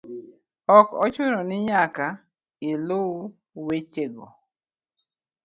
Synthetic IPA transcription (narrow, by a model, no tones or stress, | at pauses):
ɔkɔt͡ʃʊnɔnɪɲaka | ɪlʊ | wet͡ʃeɡɔ̰